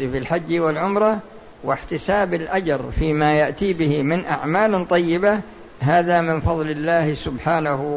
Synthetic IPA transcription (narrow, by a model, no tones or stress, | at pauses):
filħad͡ʒːwɪlʕʊmɾˤɑ | wɪħt̪ɪsaːbɪlʔad͡ʒɑɾˤfiːmajaʔt̪iːbɪhɪmɪnʔaʕmaːlt̪ˤɑjːɪba | ɦaːðamɪnfɑðˤlɪlːaːhsʊbħaːnah